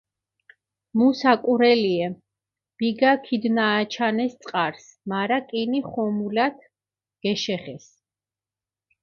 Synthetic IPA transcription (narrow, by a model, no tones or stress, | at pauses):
musakʼuɾɛliɛ | b̥iɡakʰid̪naːt͡ʃʰanɛst̪sʼqʼaɾsmaɾakʼiniχɔmulat̪ʰ | ɡ̥ɛʃɛχɛs